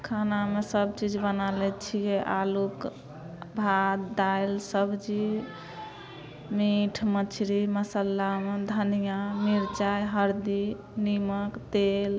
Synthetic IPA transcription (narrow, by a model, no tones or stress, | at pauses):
kʰanamesəbt͡ʃid͡ʒbənalɛt͡ʃʰijeʔaluk | bʱad̪d̪ajlsəbd͡ʒi | miʈʰmət͡ʃʰɾiməsəlːamed̪ʱənijamiɾt͡ʃajɦəɾd̪i | niməkt̪el